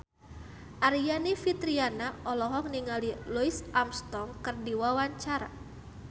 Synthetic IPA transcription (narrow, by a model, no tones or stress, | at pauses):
ʔaɾijanifit̪ɾianaʔɔlɔɦɔk̚niŋaliluisʔamst̪ɔŋkɨrdiwawaɲt͡ʃaɾa̰